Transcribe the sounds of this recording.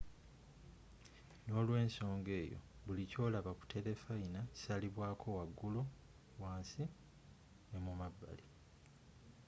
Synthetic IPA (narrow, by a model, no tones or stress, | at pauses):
no̞ːlwe̞ːnso̞ːŋɡe̞ːjo̞̰βulico̞ːlaβaku̥tʰe̞le̞fainḁaliβwaːkʰo̞waɡːulu | waːnsi | nemumabːa̰li